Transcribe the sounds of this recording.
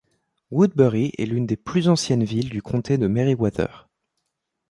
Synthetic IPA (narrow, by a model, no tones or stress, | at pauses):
wud̪̚bɛʁiʔɛ̰lynd̪eplyzɑ̃sjɛnvild̪ykʰɔ̃t̪ʰed̪əmeʁiwat̪œ̰ːʁ